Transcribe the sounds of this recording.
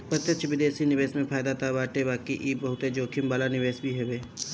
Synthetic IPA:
pət̪jət̪ʃʰʋɪd̪eːsinɪʋeːsmẽpʰaːjd̪at̪abaːʈebaːkiʔiːbɐɦʊt̪ed͡ʒoːkʰɪmbaːlanɪʋeːsbʱiɦɛʋeː

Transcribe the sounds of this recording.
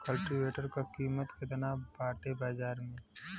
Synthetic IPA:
kɐlʈiʋeːʈəɾkakiːmət̪ked̪ɐnaːbaːʈebaːd͡ʒaːɾmẽ

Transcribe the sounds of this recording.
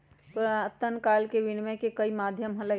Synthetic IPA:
t̪oɾt̪ːənkalkeʋinmekekəimad̪ʱjəmɦələ

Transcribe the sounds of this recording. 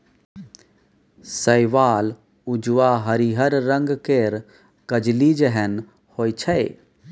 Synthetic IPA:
səɪʋaːl | ʊd͡ʒwaɦəɾiɦəɾːə̃ŋɡkeɾ | kəd͡ʒlid͡ʒəɦən | hoːjt͡ʃʰəe

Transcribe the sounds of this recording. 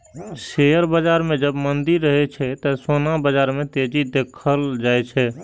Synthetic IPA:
sejəɾbəd͡ʒaɾmẽd͡ʒəbmənd̪iɾːəɦɛt͡ʃʰɛt̪əsonabəd͡ʒaɾmẽt̪ed͡ʒid̪ekʰəld͡ʒajt͡ʃʰɛ

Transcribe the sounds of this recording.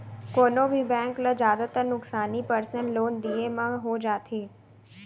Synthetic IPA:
koːnobʱibɛ̃ːŋkləd͡ʒjaːd̪at̪əɾnʊksaːnipəɾsnəlːoːnd̪iːemãɦod͡ʒaːt̪ʰeː

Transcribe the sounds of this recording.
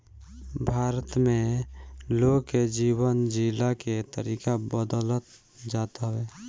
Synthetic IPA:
bʱaːɾət̪mẽ | loɡked͡ʒiːwənd͡ʒilaket̪əɾiːkabəd̪ələt̪ | d͡ʒaːt̪ɦeː

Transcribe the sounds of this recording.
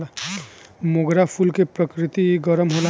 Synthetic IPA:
moɡɾapʰulkepɾəkɾɪt̪iɡəɾəmɦola

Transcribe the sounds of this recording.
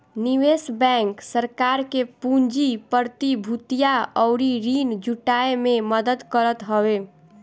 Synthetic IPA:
niʋesbɛŋksəɾkaɾkepund͡ʒipəɾt̪ibʱut̪ijaɔʊɾiɾind͡ʒuʈaememəd̪əd̪kəɾət̪ɦəwe

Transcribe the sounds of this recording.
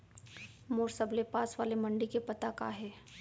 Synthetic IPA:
moːɾsəblepaːsʋaːlemɐ̃ɳɖikepɐt̪aka̰ːɦɛː

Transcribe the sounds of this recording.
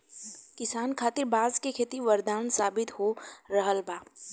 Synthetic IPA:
kɪsaːnkʰaːt̪ɪɾbaːzkekʰeːt̪iʋɐɾd̪aːnsaːbɪt̪hoɾəɦəlbʱaː

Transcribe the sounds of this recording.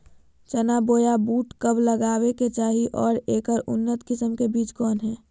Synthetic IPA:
t͡ʃənaboːjabuːʈkəbləɡaːweket͡ʃaːɦiʔɔːɾeːkəɾʊ̰nːət̪kɪsəmkebiːt͡ʃkɔːnɦɛː

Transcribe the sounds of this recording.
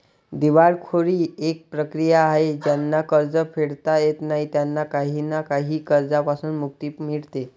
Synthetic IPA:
d̪iʋaɽkʰoɽiːek̚pɾəkɾijaːɦed͡ʑjanːakəɾd͡zəfʰeɽt̪ajet̪naɦit̪janːakaɦinakaɦiːkəɾd͡zapasuːnmuk̚t̪iːpmiɽt̪e

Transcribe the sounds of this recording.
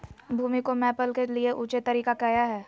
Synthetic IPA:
bʱuːmikomɛːpəlkelieʔuːt͡ʃet̪ːɐɾiːkakɛːjaɦɛː

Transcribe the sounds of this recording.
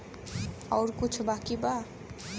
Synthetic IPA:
awɾkut͡ʃʰubakiba

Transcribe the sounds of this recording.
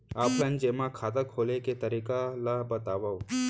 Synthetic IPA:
aːplənd͡ʒemãkʰaːt̪əkʰːoleket̪əɾiːkalabət̪aːʋaw

